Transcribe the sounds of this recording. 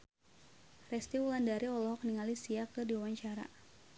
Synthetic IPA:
rɛst̪iwulandaɾiɔlɔɦɔk̚niŋalisiakɨdiwawaɲt͡ʃaɾa̰

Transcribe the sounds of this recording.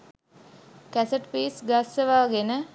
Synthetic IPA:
kæsəʈpiːsɡasəʋaːɡenə

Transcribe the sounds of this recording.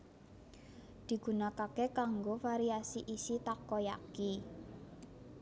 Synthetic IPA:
d̪̥i̤ɡ̥ṳnakakekaŋɡofaɾiasiʔisit̪akoja̰ki

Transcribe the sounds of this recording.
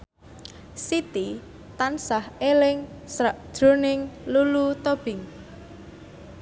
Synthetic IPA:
sit̪i | t̪ansahelɪŋsaʔd̥ʒ̥ɾo̤nɪŋlulut̪ob̥ɪ̤ŋ

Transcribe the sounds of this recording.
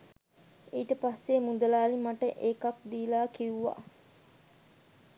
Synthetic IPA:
eiʈəpasːemud̪əlaːlimaʈəʔeːkak̚d̪iːlaːkiuʋa̰

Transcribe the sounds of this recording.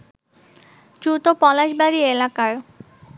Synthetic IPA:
d͡ʑut̪opɔlaʃbaɾielakaɾ

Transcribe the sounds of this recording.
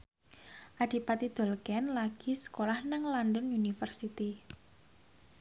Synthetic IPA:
ʔad̥i̤pat̪id̪̥o̤lkɛnlaɡ̥i̤sə̥kolahnəŋlɔndɔnunifərsit̪i

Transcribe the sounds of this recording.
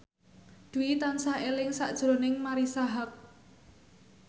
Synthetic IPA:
d̪̥uwit̪ansahelɪŋsa̰ʔd̥ʒ̥ɾo̤nɪŋmaɾisaɦak̚

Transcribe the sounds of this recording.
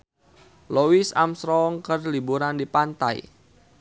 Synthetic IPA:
lowisa̰msɾɔŋkərlibuɾandipant̪a̰j̰

